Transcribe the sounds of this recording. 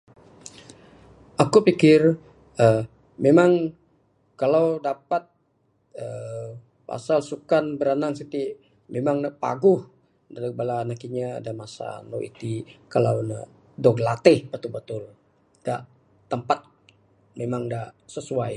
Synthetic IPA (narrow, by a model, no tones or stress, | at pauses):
ʔakupikɪr | ə | memaŋ | kalawdapat̪̚ | ə | pa̰salsukanbəɾanaŋsit̪i | memaŋnəpa̰ɡʊh | aləbalanakiɲa̰ːdamasa̰no̰ʔḭt̪ikalawnə̰ | dɔɡlat̪ɪhbət̪ubət̪ʊl | ɡ̥aʔ | t̪ːəmpat̪̚ | memaŋdaʔsəsuaj